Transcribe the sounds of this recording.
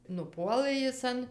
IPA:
nʊˈpuɔlˠɘ ˈjɪs ɐn

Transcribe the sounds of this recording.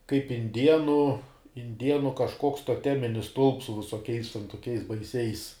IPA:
kɐɪp ɪnʲˈdʲiɛnʊ ɪnʲˈdʲiɛnʊ kɐʃˈkoːks toːˈtʲæːmʲɪnʲɪs stʊlˠps sʊ ʋʲɪsoːˈkʲɛɪs tʲɛn toːˈkʲɛɪs bɐɪˈsʲɛɪs

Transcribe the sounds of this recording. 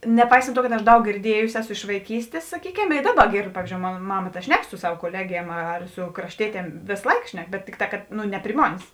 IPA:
nʲɛˈpɐɪsɐnt ˈtuɔ kɐt ɐʃ ˈdɐʊk ɡʲɪrʲˈdʲiɛjʊsʲɪ ˈæːˌsʊ ɪʃ ʋɐɪˈkʲiːsʲtʲeːs sɐˈkʲiːkʲɛm ɪ ˈdɑːˌbɐ ˈɡʲeːrt ˈpɑːʋʲiːzʲd͡ʒʲoːʊ ˈmoːn ˈmɑːmɐ tɐ ˈʃʲnʲɛk sʊ ˈsɐw koːˈlʲæːɡʲiɛm ɐr sʊ krɐʃʲˈtʲiɛtʲiɛm ˈʋʲeːs ˈlˠɐɪk ˈʃʲnʲɛk bʲɛt ˈtʲɪkˌtɑː kɐt ˈnʊ nʲɛ pʲrʲɪ ˈmoːnʲeːs

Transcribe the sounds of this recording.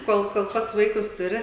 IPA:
ˈkoːlˠ koːlˠ ˈpɐts ˈʋɐɪkʊs tʊˈrʲɪ

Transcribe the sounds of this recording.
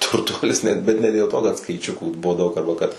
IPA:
tʊrˈtuɔlʲɪs nʲɛt ˈbʲɛt nʲɛ dʲeːlˠ ˈtoː kɐt skɐɪˈt͡ʃʲʊkuː ˈbʊʋoː ˈdɐʊk ɐrbɐ ˈkɐt

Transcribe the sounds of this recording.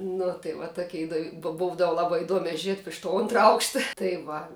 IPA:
ˈnʊ tɐɪ ʋɐ ˈtoːkʲɛ ɪˈdoːw boːw ˈbuːdɐw ˈlˠɑːbɐɪ ɪˈduɔmʲɛ ˈʒʲiɛt ɪʃ toː ˈoːntrɐ ˈɐʊkʃtɐ tɐɪ ˈʋɐ

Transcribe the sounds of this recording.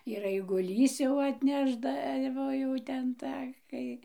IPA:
ɪr ɐɪɡʊˈlʲiːs jɛʊ ɐtʲˈnʲæːʒdɐʋoː ˈjɛʊ tʲɛn ˈtɑː ˈkɐɪ

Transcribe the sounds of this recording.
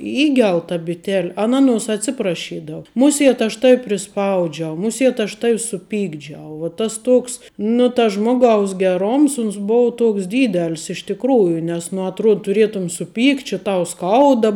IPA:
ˈiːɡʲɛlˠ tɐ bʲɪˈtʲɛlʲ ˈɑːˌnɐ ˈɑːˌnuɔs ɐtʲˈsʲɪprɐʃʲiːdɐʋʊ ˈmʊˌsʲeːt ɐʃ ˈtɑːʋʲɪ pʲrʲɪˈspɐʊd͡ʒʲɛʊ ˈmʊˌsʲiɛt ɐʃ ˈtɐw sʊˈpʲiːɡd͡ʒʲɛʊ ʋoː ˈtɐs ˈtoːks nʊ tɐs ˈʒmoːˌɡɐʊs ɡʲɛˈroːms ˈʊns ˈboːʊ ˈtoːks ˈdʲiːdʲɛlʲs ɪʃ tʲɪkˈruːjʊ nʲɛs nʊ ɐtˈruɔt tʊˈrʲiɛtʊm sʊˈpʲiːktʲ t͡ʃʲɪ ˈtɐʊ ˈskɐʊdɐ

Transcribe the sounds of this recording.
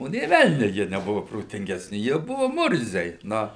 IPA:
ˈoː nʲeː ˈʋʲɛlʲnʲʊ ˈjiɛ nʲɛˈbʊʋʊ proːtʲɪŋʲɡʲɛsʲˈnʲɪ jiɛ ˈbʊʋʊ ˈmʊrʲzʲɛɪ ˈnʊ

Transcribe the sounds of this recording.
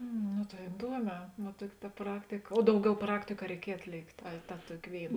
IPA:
ˈnʊ tɐɪ ɪˈduɔˌmʲɛː ʋɐ ˈtuɔkʲɪ tɐ ˈprɑːktʲɪkɐ oː ˈdɐʊˌɡʲɛʊ ˈprɑːktʲɪkʊ ɐ rʲɛɪˈkʲiɛj ɐtʲˈlʲeːktʲeː ɐ tɐ ˈtuɔkʲɪ ˈʋʲeːɪˌnɐ

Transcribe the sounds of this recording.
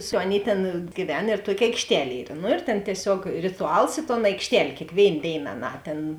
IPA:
sʊ ˈɑːˌnʲeːɪ ˈtʲeːn ɡʲiːˈʋʲɛn ɪr ˈtuɔkʲɪ ɐɪkʃʲˈtʲɛlʲ ˈiːr nʊ ɪr tʲeːn tʲiɛˈsʲoːk rʲɪtʊˈɐlˠs ɪ toːn ɐɪkʃʲˈtʲɛlʲ kʲeːkˈʋʲeːɪn ˈdʲeːɪn ɐˈnɑː ˈtʲeːn

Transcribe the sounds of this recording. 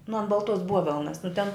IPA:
nʊ ɐn bɐlˠˈtuɔs ˈbuɔʋʲɛlˠnɐs nʊ tʲɛn

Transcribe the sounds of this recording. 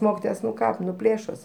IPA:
ˈmoːkʲɪtoːjɛs ˈnʊ ˈkɑː ˈpʲlʲeːʃoːs

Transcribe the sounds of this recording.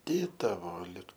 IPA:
ˈdʲeːtɐʋoː ˈlʲɪk

